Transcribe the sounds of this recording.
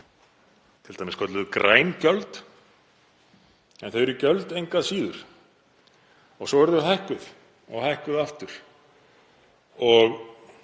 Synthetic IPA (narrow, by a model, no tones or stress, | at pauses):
t̪ʰɪlt̪ajmɪskʰœt̪lʏðʏkɾʔaːjncœlt̪ | ɛnθeɾicœlt̪ejŋkaðsiːðʏɾ̥ | ɔɣsɔɛɾðʏɦajhkʏð | ɔ̰ɣhajhkʏðaft̪ʏɾ̥ | ɔɣ